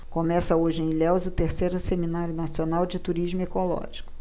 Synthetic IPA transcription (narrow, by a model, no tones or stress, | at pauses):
komɛsɐoʒɪẽj̃lɛwzʊt̪eɾsejɾʊseminaɾjʊnasionawd͡ʒɪt̪uɾiʒmʊekolɔ̰ʒikʊ̥